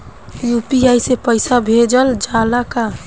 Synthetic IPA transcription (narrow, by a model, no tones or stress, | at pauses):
jupiajsepəɪsabʱed͡ʒəld͡ʒalaka